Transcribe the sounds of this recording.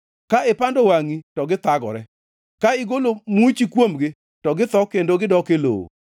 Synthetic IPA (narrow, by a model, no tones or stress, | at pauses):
kaɪpandowaŋitɔɡɪt̪aɡɔ̰ɾɛ | kaɪɡolomut͡ʃikwomɡɪ | tɔɡɪt̪ɔkendoɡɪdɔkelo̰